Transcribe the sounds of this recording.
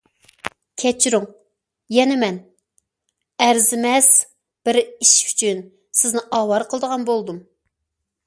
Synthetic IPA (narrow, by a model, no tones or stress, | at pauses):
kʲʰɛt͡ʃʰiɾuŋ | jɛnɪmɛn | æɾzɪmɛs | b̥ɪɾiʃy̥t͡ʃʰyn | sɪznɪʔɑːwɑɾqʰəlˠɨd̪əʁɑnbolˠd̪um